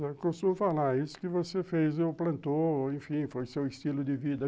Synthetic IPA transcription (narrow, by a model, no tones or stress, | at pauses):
ɛkõst̪ũmʊfalaisʊ̥kɪvosefezewplɐ̃nt̪oẽfĩfojsewɪstilʊd̪ɪvid̪ɐ